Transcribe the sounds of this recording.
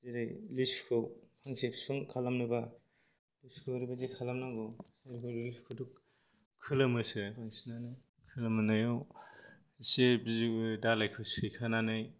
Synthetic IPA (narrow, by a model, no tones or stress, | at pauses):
zeɾajliskʰɯwpʰaŋsekʰsɔŋkʰalamnɯba | liskʰɯwɾibazekʰalamnaɡɯwseɾkʰɯɾliskʰɯduk | kʰːɯlɯmɯsɯaŋsinanɯj | kʰɯlamɯnajɔw | sebzikɯdalajkʰɯwsɯjkʰananɯj